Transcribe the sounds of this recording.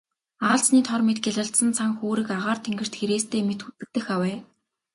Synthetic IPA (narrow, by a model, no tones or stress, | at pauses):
aːɮt͡sniːt̪ʰɔrmet̪ɡʲeɮə̆ɬt̪sə̆nt͡sʰaŋxoːɾɘ̆kaʁaːrt̪ʰeŋɡɘ̆r̥t̪xeɾeːst̪ʰeːmet̪xut͡sɘ̆k̚t̪ɘ̆xawæː